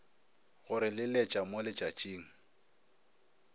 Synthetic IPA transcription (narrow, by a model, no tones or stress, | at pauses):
ɣʊɾɪlɪlɛt͡ʃʼamolɪt͡ʃʼat͡ʃʼiːŋ̩